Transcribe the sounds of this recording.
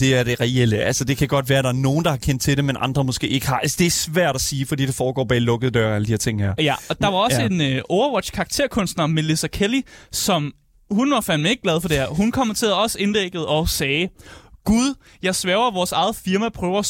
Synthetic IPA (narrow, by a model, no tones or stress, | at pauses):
d̥e̝æɐd̥e̝ʁɛel̰əʔælsəd̥e̝kʰæɡ̥ɒ̽d̥ʋæːɐɾ̥ɑ̈æɐno̝ːn̩d̥ɑhɑ̈kʰen̰d̥̚t͡sʰe̝demenʔɑ̈nd̥ʁɐmɔ̽sɡ̥e̝̰ːe̝ɡ̥əhɑ̈ælsəd̥e̝æɐsʋæɐ̰ɾ̥æsiːfɒd̥ḭːd̥efɒːɡ̥ɒ̰ːbɛːlɔ̽ɡ̥əð̩ˠd̥ɶɐæləd̥iheɐt͡sʰeŋ̰hæɐ̰jæɒ̽d̥ɑ̈ʋɑ̈ɒ̽səe̝nʔɔʊɐwɒd̥ɕkʰɑ̈ːɡ̥̚t͡sʰe̝ɐ̰kʰɔ̽nsd̥nɐmelisɐkʰelisɒ̽m | hunʋɑ̈fæl̰mee̝ɡ̥̚ɡlɛð̞ˠfɒ̽d̥e̝æɐɦunkʰɒ̽m̰t͡sʰe̝æɒ̽səe̝ndeɡ̥əð̞̩ˠɒ̽sɛːɡ̥uð̞ˠ | jɑ̈ɪsʋɛɐʊɐʋɒːsɑ̈ɪð̩ˠfiɐmæpʰʁœːʊɐ